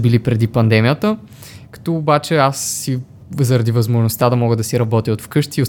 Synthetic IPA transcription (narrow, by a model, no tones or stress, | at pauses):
bilipɾɛd̪ipɐnd̪ɛmijət̪ə | kɐ̥t̪ɔːbat͡ʃɛasːi | zɐɾɐd̪ivɐzmoʒnost̪ad̪ɐmɔɡəd̪ɐsiɾɐbɔt̪iot̪fkɤʃt̪io